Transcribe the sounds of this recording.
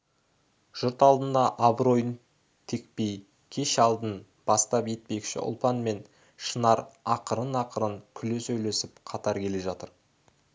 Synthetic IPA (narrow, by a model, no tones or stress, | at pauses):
ʒ̥ʊɾt̪ɑlˠd̪ənd̪ɑʔɑbɾo̞jən | t̪ʰe̞k̚pe̞j | kʲʰe̞ʃɑlˠd̪ən | b̥ɑst̪ɑpe̞t̪̚pe̞kʲʃɪ̰ʔʊ̰lˠpɑnme̞n | ʃənɑɾɑqəɾənɑqʰəɾəŋkʲʰʏlesɵjle̞sɪpqʰɑt̪ɑɾkʲʰe̞le̞ʒɑt̪əɾ